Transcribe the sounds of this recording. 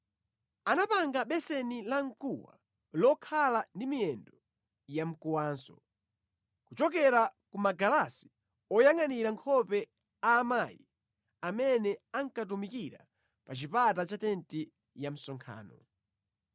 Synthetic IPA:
anapaŋɡaɓɛsɛnilaŋkuwa̰ | lɔkʰalandimiɛndɔ | jam̩kuwaːnsɔ̰ | kut͡ʃɔk̬ɛɾakumaɡalasi̥ | ɔjaŋaniɾaŋkʰɔpɛ | aːmajḭ | amɛnɛaŋkat̬umikiɾa̰ | pat͡ʃipatat͡ʃatɛnti | jam̩sɔŋkʰa̰ːnɔ

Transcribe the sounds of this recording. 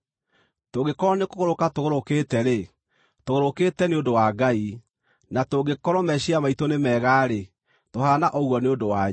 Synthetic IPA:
toɡekɔɾɔnekoɣoɾokatoɣoɾoketɛɾe | toɣoɾokeːtɛneondowaːɡai | natoɡekɔɾɔmɛɕiamaitonemɛːɣaːɾe | tohaːnaʔɔɣwɔneodowa

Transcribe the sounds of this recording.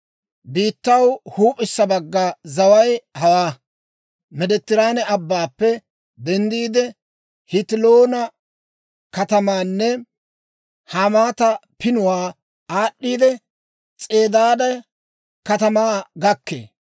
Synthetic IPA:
biːt̪ːɐwhuːpʼɪsːɐbɐɡːɐzɐwɐjhɐwaː | mɛd̪ɛt̪ːɪɾaːnɛɐbːaːpːɛ | d̪ɛnd̪iːd̪ɛ | hɪt̪ɪloːnɐ | kɐt̪ɐmaːnːɛ | hamaːt̪ɐpɪnʊwaː | aːɗːiːd̪ɛ | t͡sʼe̞ːd̪aːd̪ɐj | kɐt̪ɐmaːɡɐkːḛː

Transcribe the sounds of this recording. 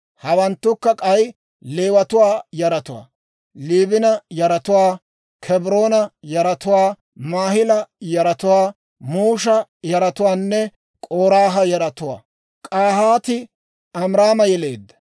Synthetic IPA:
hɐwɐnt̪ːʊkːɐkʼɐj | leːwɐt̪ʊwaːjɐɾɐt̪ʊwa̰ː | liːbɪnɐjɐɾɐt̪ʊwaː | kʰɛbɾoːnɐjɐɾɐt̪ʊwaː | maːhɪlɐjɐɾɐt̪ʊwaː | muːʃɐjɐɾɐt̪ʊwaːnːɛ | kʼoːɾaːɦɐjɐɾɐt̪ʊwa̰ː | kʼaːhaːt̪ɪ | ɐmɾaːmɐjɛle̞̰ːd̪ːɐ̥

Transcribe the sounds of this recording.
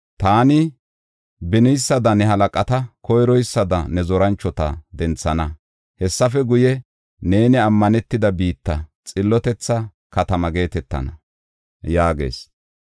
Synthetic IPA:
t̪aːnɪ | bɪnɪjsːɐd̪ɐnɛɦɐlɐkʼɐt̪ɐkɔjɾɔjsːɐd̪ɐ̰nɛzɔɾɐnt͡ʃːɔt̪ɐ̰d̪ɛnt͡sːɐnɐ | hɛsːɐfɛɡʊjɛ | ne̞ːnɪɐmːɐnɛt̪ːɪd̪ɐbiːt̪ːɐt͡sʼɪlːɔt̪ɛt͡sːɐ | kɐt̪ɐmɐɡe̞ːt̪ɛt̪ːɐ̰nɐ̰ | jaːɡe̞̰ːs

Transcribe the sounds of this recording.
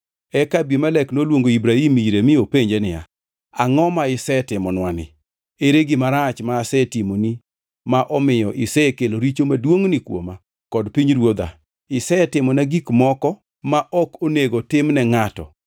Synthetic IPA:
ɛkabjemalɛknolwoŋɡoibɾaimiɾemɪopeɲd͡ʒenɪja̰ | a̰ŋɔmaɪsɛtɪmɔnwanɪ̰ | eɾeɡɪmaɾat͡ʃmaːsɛtimoni | maʔɔmɪjɔʔɪsɛkeloɾit͡ʃomadwoŋnɪkwo̰ma | kɔdpiɲɾwod̪a̰ | ɪsɛtɪmɔnaɡikmɔkɔ | maʔɔkoneɡotɪmnɛŋatɔ̰

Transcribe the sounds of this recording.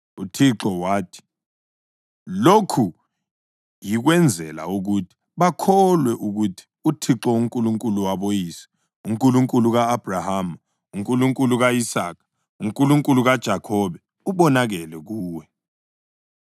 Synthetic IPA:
utʰiǁɔwaːtʰi̥ | lokʰu | jik̬wɛnd͡zʱɛla̰uk̬utʰi̥ | ɓakʰɔlwɛʔuk̬utʰi̥utʰiǁɔuŋkʼuluŋkʼuluwaɓojiːsi̥ | uŋkʼuluŋkʼuluk̬aːb̥ʱrahaːmu | uŋkʼuluŋkʼuluk̬aisaːkʰḁ | uŋkʼuluŋkʼuluk̬ad̥ʒ̥ʱakʰɔɓɛ | uɓɔnak̬ɛlɛk̬uːwɛ

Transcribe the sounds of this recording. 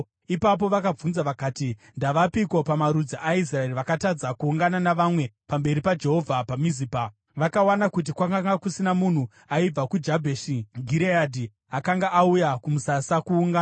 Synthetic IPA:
ipap̬o̞ʋakab͡vunzaʋakaːtindaʋapiko̞pamaɾud͡ziʔais̬raeriʋakatad͡zakuːŋɡananaʋamwe̞pambe̞ɾipad͡ʒe̞ɦo̞vʱapamiziːpa | ʋakawanakut̬ikwakaŋɡakusinamun̤u | aib͡vakud͡ʒabʱeʃiɡʱiɾeadʱi | akaŋɡaʔaujakumusasakuːŋɡan

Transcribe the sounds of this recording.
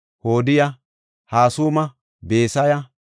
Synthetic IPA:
hoːd̪ɪjɐ | haːsuːmɐ | be̞ːsɐjɐ

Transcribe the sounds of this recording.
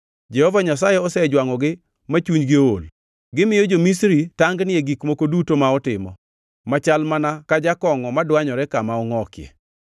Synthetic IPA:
d͡ʒɛhɔvaɲasajɛɔsɛd͡ʒwaŋɔɡɪ | mat͡ʃuɲɡɪol | ɡɪmɪjod͡ʒomisɾitaŋɡnɪeɡikmokodutomaɔtɪmɔ̰ | mat͡ʃalmanakad͡ʒakɔŋɔmadwaɲɔɾɛkamaɔŋɔkɪjḛ

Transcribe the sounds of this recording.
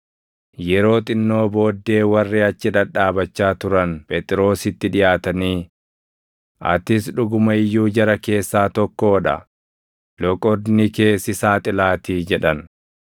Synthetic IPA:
jɛɾo̞ːt̪ʼɪnːo̞ːbo̞ːd̪ːe̞ːwɐrːɪɐt͡ʃːɪᶑɐᶑaːbɐt͡ʃːaːt̪ʊɾɐnpʰʼet̪ʼɪɾo̞ːsɪt̪ːɪᶑɪjaːt̪ɐniː | ʔɐ̰t̪ɪsᶑʊɡʊmɐɪjːuːd͡ʒɐɾɐke̞ːsːaːt̪ɔkːoːᶑɐ̰ | lɔkʼɔd̪nike̞ːsːɪsaːt̪ʼɪlaːt̪iːd͡ʒɛᶑɐn

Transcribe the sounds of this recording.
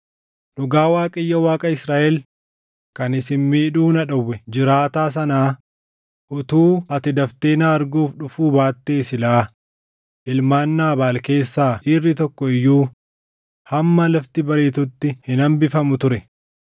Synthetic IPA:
nʊɡaːwaːkʼɐɪjːɐwaːkʼɐɪsɾaːʔɛl | kɐnɪsɪnmiːᶑuːnɐᶑɐwːɛd͡ʒɪɾaːt̪aːs̬ɐnaː | ʔʊt̪uːɐt̪ɪd̪ɐft̪eːnaːɾɡuːfɗʊfuːbaːt̪ːe̞ːsɪlaː | ʔɪlmaːnːaːbaːlke̞ːsːaːʔiːrːɪt̪ɔkːɔɪjːuː | hɐmːɐlɐft̪ɪbɐɾeːt̪ʊt̪ːɪhɪnɐmbɪfɐmʊt̪ʊɾɛ

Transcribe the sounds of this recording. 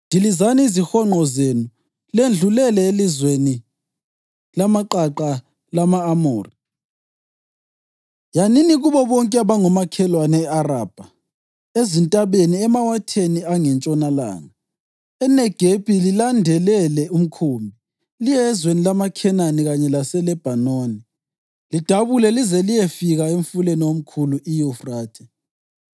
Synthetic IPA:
ndʱilizaniːzixɔŋ͡ǃʱɔzenu | lend͡ɮʱulɛlɛelizweni | lamaǃaǃa | lamaːmoːri | janiniɣuβɔβɔŋkʼɛaβaŋɔmakʰɛlwanɛɛaraːb̥ʱa | ezintʼaβeniɛmawatʰeniaŋɛnt͡ʃʼɔnala̰ːŋa | ɛnɛɡ̥ʱepʼililandʱɛlɛlɛum̩kʰuːmbʱi | lijɛzwenilamakʰɛnaniɣaɲɛlasɛlɛb̥ʱanoːni | lid̥ʱaβulɛlizɛlijefiɣaeɱ̩fuleniwom̩kʰuluʔijufraːtʰɛ

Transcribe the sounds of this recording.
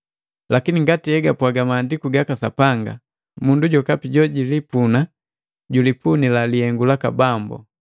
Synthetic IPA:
lakiniŋɡatihɛɡapwaɡamaːndikuɡakasapaŋɡa̰ | munduɟɔkapiɟɔɟilipuna | ɟulipunilaliɛŋɡulaka̰bambṵ

